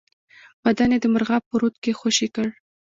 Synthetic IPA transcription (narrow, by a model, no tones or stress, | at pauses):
b̥ad̪aned̪əməɾʁɑpːəɾut̪kexoʃikəɽ